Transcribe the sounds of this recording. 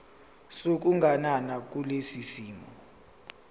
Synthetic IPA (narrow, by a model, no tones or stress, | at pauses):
sok̬uŋɡʱananak̬ʼulesisiːmɔ